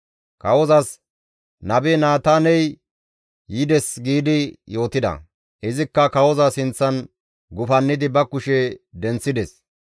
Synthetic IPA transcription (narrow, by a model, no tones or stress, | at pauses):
kɐwɔzɐs | nɐbenaːt̪aːnɛj | jɪd̪ɛsɡiːd̪ɪjo̞ːt̪ɪd̪ɐ̰ | ʔɪzɪkːɐkɐwɔzɐsɪnt͡sːɐn | ɡʊfɐnːɪd̪ɪbɐkʊʃɛd̪ɛnt͡sːɪd̪ɛs